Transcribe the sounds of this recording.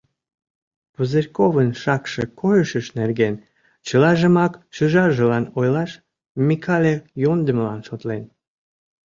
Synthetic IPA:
puzerʲkoβənʃɑkʃĕkojəʃəʃnerɣen | t͡ɕəlɑʒə̆mɑkʃyʒɑʒə̆lɑnojlɑʃ | mʲikʰɑlʲejond̪əmlɑnʃot̪len

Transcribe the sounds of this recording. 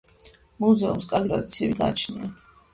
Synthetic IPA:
muzɛumskʼaɾɡit̪ʼɾad̪it̪sʰiɛbiɡa̰t͡ʃʰnia

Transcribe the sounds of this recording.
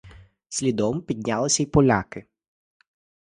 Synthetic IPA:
sʲlʲid̪ɔmpʲid̪ʲnʲalˠɪsʲɐipɔlʲakɪ

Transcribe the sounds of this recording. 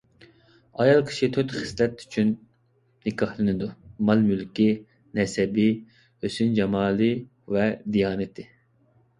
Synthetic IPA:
ɑjɑlˠkʲʰi̥ʃit̪ʰøt̪χɪ̥slɛt̪y̥t͡ʃʰynː | ɪkʰɑhlˠɨnɨd̪umɑlˠmylkʲi | nɛsɛbɪ | øsynd͡ʒɑmɑːlˠɨ | vɛd̪ijɑːnɨt̪ʰɪ

